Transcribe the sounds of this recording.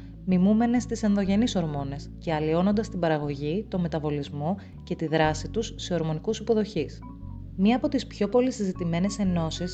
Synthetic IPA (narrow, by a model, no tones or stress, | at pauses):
mimume̞ne̞st̪ise̞nðo̞ʝe̞niso̞ɾmo̞ne̞sce̞ɐlio̞no̞nd̪ɐst̪ibɐɾɐɣo̞ʝit̪o̞me̞t̪ɐvo̞lizmo̞ | ce̞t̪iðɾɐsit̪usːe̞o̞ɾmo̞nikusipo̞ðo̞çis | miɐːpo̞t̪ispço̞po̞lisizit̪ime̞ne̞se̞no̞sis